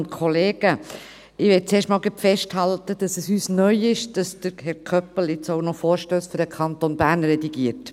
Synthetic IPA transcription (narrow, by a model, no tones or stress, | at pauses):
ntkʰoleːɡə | ɪʋɛːt͡seːʃtmɑːlɡɛpfɛʃthɑltəd̥ɑsəsyːsnœʏɪʃd̥ɑsd̥əɾhɛɾkʰœpəlet͡soʊnɔfoːɾʃtøːsføɾdəkʰɑnt̪onbæːɾnɾɛdiɡiəɾt